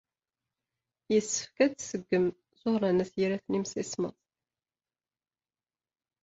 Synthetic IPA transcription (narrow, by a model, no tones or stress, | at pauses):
jəsːə̥fkæd̪səɡːəm | zohɾˤɑnæθjiɾæθnimsismə̰ðˤ